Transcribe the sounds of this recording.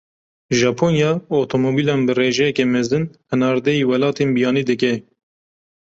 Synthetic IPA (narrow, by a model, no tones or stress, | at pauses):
ʒɑːpʰoːnjɑːot̪ʰomoːbiːlɑːnbɨreːʒɛjɛkɛmɛzɨnhɨnɑːɾd̪ɛiːwɛlɑːt̪eːnbijɑːniːd̪ɨkɛ